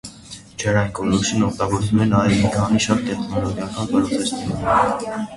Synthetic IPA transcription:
t͡ʃʰɛɾɑjnkɔlut͡sʰunːɔkʰt̪ɑɡɔɾt͡sumɛnɑjɛmikʰɑniʃɑt̪t̪ɛχnɔlɔɡjɑkɑnpəɾɔnt̪ɛst̪iɛ

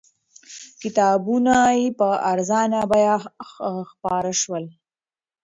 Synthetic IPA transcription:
kɪt̪ɑːbunajepəaɾzɑnabajɑ | xpɑɾaʃwəl

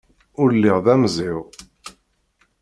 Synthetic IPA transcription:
ʊɾlːɪʁðæmzɪʁ

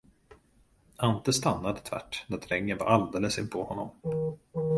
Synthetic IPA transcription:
ʔant̪əst̪anːad̪ət̪ʰv̥æ̰ʈːnæt̪ʰɾɛŋːənva̰ɾald̪eːləsɪnpʰɔhɔnːɔ̰m

